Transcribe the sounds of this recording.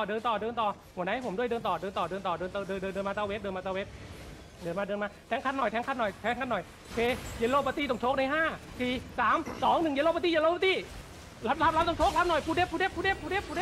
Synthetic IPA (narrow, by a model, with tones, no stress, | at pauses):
dɤː˧nt̪ɔː˨˩dɤː˧nt̪ɔː˨˩ | hu˨˩˦na˦˥jpʰo˩˦mdu˥˩əjdɤː˧nt̪ɔː˨˩dɤː˧nt̪ɔː˨˩dɤː˧nt̪ɔː˨˩dɤː˧nt̪ːdɤː˧dɤː˧ndɤː˧nmaː˧˩t̪aː˧˩we˦˥dɤː˧nmaː˧˩t̪a˧we˦˥t̪̚ | dɤː˧nmaː˧˥˩dɤː˧nmaː˧˥˩t̪ʰɛː˦˥ŋkʰa˧˥˩nːɔ˨˩jt̪ʰɛː˦˥ŋkʰa˥˩nːɔ˨˩jt̪ʰɛː˦˥ŋkʰa˧˥nːɔ˨˩jkʰeː˧jeː˧loː˧˩pa˧t̪iː˧˥˩ɔ˨˩ŋt͡ɕʰoː˦˥k̚na˧˩jɦaː˥˩siː˨˩saː˨˩˦msɔː˩˦ŋnɯ˨˩ŋje˧lo˥˧pa˧t̪iː˥˨jeː˧loː˥˩pa˧t̪iː˧˥˩ | la˦˥p̚la˦˥pla˦˥t̪ɔ˧˩ŋt͡ɕʰoː˦˥k̚la˦˥nɔ˨˩jpʰuː˧deː˦˥˩pʰːu˧de˦˥pʰːu˧deː˧˥˩pʰːuː˧deː˦˥˩pʰːu˧ɾe˦˧˥